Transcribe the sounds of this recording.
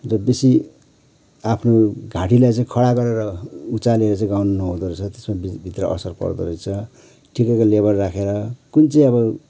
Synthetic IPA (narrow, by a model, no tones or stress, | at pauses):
rʌbesi | apʰnoɡʱãʈilajt͡saĩkʰʌɽaɡʌɾeɾʌut͡saleɾʌt͡saĩɡawnʌnʌɦõd̪ʌɾet͡sʰʌt̪esmabbʱit̪rʌ̰ʔʌ̰sʌrpʌ̰rd̪ʌɾojt͡sʰʌ | ʈʰikekalebʌrːakʰeɾʌkunt͡saĩʌbʌ